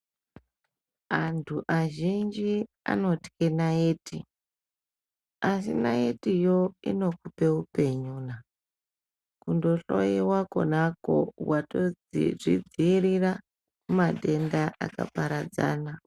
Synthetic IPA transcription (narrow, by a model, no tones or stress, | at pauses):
antʰuʔaʒind͡ʒi | a̰no̞ti̥kenaeːti | asinaetijo̞ḭno̞kupe̞upe̞ɲuna | kundo̞ɬo̰jewako̞̰nako̞̰watod͡zʐḭd͡ziiɾira | kumaɗe̞ndaʔa̰ka̰paɾad͡za̰ːna